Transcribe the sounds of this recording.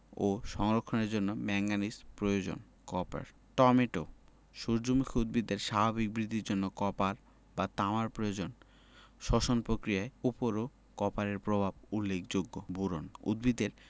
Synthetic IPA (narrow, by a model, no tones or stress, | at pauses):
oʃɔŋɾokʰːoneɾd͡ʑonːomɛŋɡanispɾojod͡ʑo̰n | kɔpa̰ɾ | ʈɔmeʈo | ʃoɾd͡ʑomukʰiud̪̚bid̪eɾʃabʱabik̚bɾid̪ʱːiɾd͡ʑonːokɔpaɾ | bat̪amaɾpɾojod͡ʑon | ʃɔʃonpɾokɾijaeupoɾo | kɔpaɾeɾpɾobʱabulːekd͡ʑoɡːobuɾo̰nṵd̪̚bid̪eɾ